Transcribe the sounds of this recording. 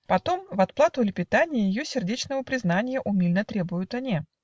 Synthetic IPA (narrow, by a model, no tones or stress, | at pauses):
pɐt̪o̞mvɐt̪̚plˠat̪ʊlʲɪpʲɪt̪anʲɪjəjɪjosʲɪrdʲet͡ɕnəvəpɾʲɪznanʲɪjəʔʊmʲilʲnət̪ɾʲe̞bʊjʊt̪ɐnʲi